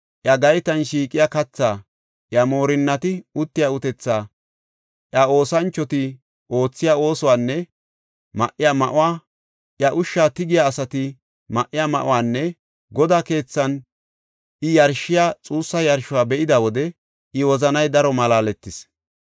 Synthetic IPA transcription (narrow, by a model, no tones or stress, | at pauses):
ʔjɐɡɐjt̪ɐnʃiːkʼɪjakɐt͡sːaː | ʔjɐmo̞ːɾɪnːɐt̪ɪʊt̪ːɪjaʊt̪ɛt͡sːaː | ʔjɐo̞ːsɐnt͡ʃːɔt̪ɪ | ʔo̞ːt͡sːɪjao̞ːsɔwaːnːɛ | mɐ̰ʔːɪjamɐʔʊwaː | ʔjɐʔʊʃːaːt̪ɪɡɪjaːsɐt̪ɪ | mɐʔːɪjamɐʔʊ̰waːnːɛ | ɡɔd̪aːke̞ːt͡sːɐn | ʔɪjɐɾʃɪjat͡sʼuːsːɐjɐɾʃʊwaːbɛʔɪd̪ɐwɔd̪ɛ | ʔɪwɔzɐnɐjd̪ɐɾɔmɐlaːlɛt̪ːɪs